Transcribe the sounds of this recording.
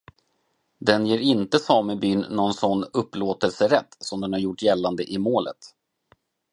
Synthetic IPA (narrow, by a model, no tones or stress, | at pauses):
d̪ɛnjeːɾɪnt̪əsɑːməbyːnːɔnsɔnːɵpːloːt̪əlsəɾɛt̪ːsɔmd̪ɛnhaɾjʊʈːjɛlːand̪əʔɪmoːlə̰t̪